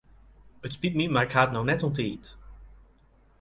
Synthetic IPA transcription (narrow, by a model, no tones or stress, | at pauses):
ətspitmimaːɪkχaːtnɔwnɛtɔnteːt